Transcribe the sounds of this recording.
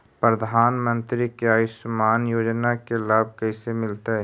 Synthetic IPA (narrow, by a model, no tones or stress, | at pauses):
pɾəd̪ʱaːnmə̃nt̪ɾikaːisʊmaːnjoːd͡ʒnakelaːb̚kɛːsemɪlt̪aɦɛː